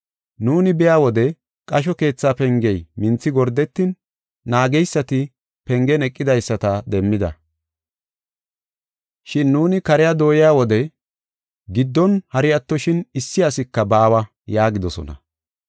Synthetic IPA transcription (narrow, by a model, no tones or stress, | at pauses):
nuːnɪbɪjaːwɔd̪ɛ | kʼɐʃ̬ɔke̞ːt͡sːaːpɛŋɡɛjmɪnt͡sːɪɡɔɾd̪ɛt̪ːɪnː | aːɡɛjsːɐt̪ɪ | pɛŋɡɛnɛkʼːɪd̪ɐjsːɐt̪ɐd̪ɛmːɪd̪ɐ̰ | ʃɪnːuːnɪkɐɾɪjad̪o̞ːjɪjaːwɔd̪ɛ | ɡɪd̪ːɔnhɐɾɪɐt̪ːɔʃɪnɪsːɪɐsɪkːɐbaːwɐ | jaːɡɪd̪ɔsɔ̰nɐ̰